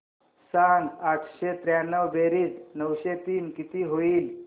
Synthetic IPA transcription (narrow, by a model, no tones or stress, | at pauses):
sanaʈ̪ʰɕet̪ɾjanəʋbeɾiːt͡snəwɕet̪iːnkit̪iːɦoiːl